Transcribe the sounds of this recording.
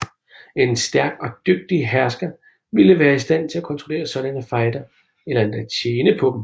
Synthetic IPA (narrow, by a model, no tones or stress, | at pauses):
e̝nsd̥æɐɡ̥ɒ̽d̥øɡ̥̚d̥iɦæɐsɡ̥ɐ | ʋiləʋæːɐisd̥æn̰t͡sʰe̝lækʰɒ̽nt͡sʰʁo̝le̝̰ːɐsɒ̽ɾ̥ænəfɑ̈ɪd̥ɐ | elɐend̥æt͡ɕʰjeːnəpʰɒ̽d̥m̩